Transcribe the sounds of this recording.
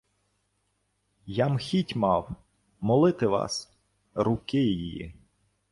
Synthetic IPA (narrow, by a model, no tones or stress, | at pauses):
jɑmxʲitʲmɑw | mɔlˠɪt̪ɪʋɑ̰s | ɾʊkɪjijijḭ